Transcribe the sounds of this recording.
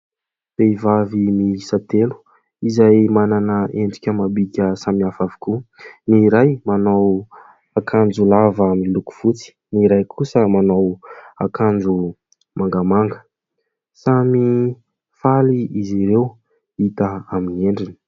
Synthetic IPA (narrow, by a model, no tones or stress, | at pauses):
peivavimisat̪elu̥ | izajmananəʔeɳɖ͡ʐi̥kʲəmabikʲəsamiafavi̥kuniɾajmanaw | akʰand͡zulavamiluku̥v̥ut͡si̥niɾajkʰusəmanawakʰand͡zu | maŋɡamaŋɡə̥ | sami | faliʔiziɾew | it̪əaminieɳɖ͡ʐini̥